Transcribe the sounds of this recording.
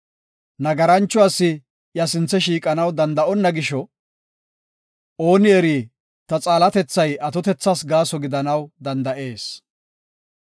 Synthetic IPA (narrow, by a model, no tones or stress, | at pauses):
nɐɡɐɾɐnt͡ʃːʊaːsːɪ | jɐsɪnt͡sːɛʃiːkʼɐnɐwd̪ɐnd̪ɐʔɔnːɐɡɪʃɔ | o̞ːnɪɛɾiː | t̪ɐt͡sʼaːlɐt̪ɛt͡sːɐjɐt̪ɔt̪ɛt͡sːasɡaːsɔɡɪd̪ɐnɐwd̪ɐnd̪ɐʔe̞ːs